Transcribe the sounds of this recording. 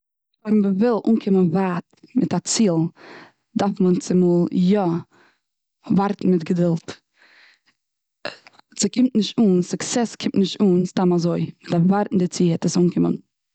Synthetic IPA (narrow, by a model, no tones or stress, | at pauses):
vɛɾmvəvɪlˠʔuːnkʰɪmənvaːt̚mɪtat͡siːlˠ | dafmənt͡sɪmulˠjɔ | vaɾtn̩mɪtɡədɪlˠt | t͡sɪkʰɪmtnɪʃtuːnsʊksɛskʰɪmtnɪʃtuːnstamazoɪmɪtavaɾtn̩dɪt͡siːɛtəsuːnkʰɪmə̰n